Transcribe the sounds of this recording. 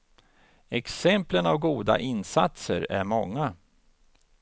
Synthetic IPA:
ɛksɛmplənavɡuːd̪a̰ʔɪnsat̪sə̰ɾæ̰ɾmɔŋːa

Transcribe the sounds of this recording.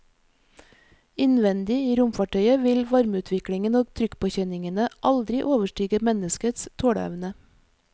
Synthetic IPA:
ɪnʋɛnd̪ɪiːɾʊmfɑʈʰœʏəʋɪlʋɑɾmʉːt̪ʰʋɪkɽɪŋənoːɡt̪ʰɾʏkpʰoːçœnɪŋənəʔɑld̪ɾɪʔoːʋəʃʈyːɡəmɛnəskət̪st̪ʰoːɽəɛ̰ʋnə

